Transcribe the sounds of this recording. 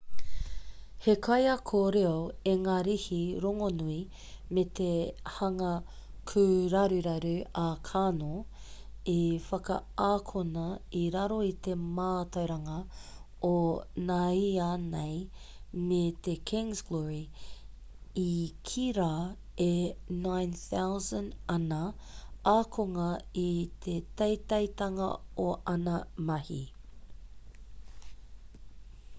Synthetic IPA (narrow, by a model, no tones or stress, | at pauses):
hekʰɐjɐkʰoːɾeoeŋaːɾihiɾoŋonui | met̪ehɐŋɐ | kʰʉɾɐɾʉɾɐɾʉɐkʰaːno | efɐkɐ̰aːkʰonɐiɾɐɾoit̪e̞maːt̪ɐwɾɐŋɐ | onaianej | met̪ekʰɪ̃ŋzɡ̥lɔɹi | ikʰiɾaː | enãjnθawzə̃nɐnɐaːkʰoŋɐit̪ʰet̪ɐjt̪ɐjt̪ɐŋɐ̰oʔɐnɐmɐhḭ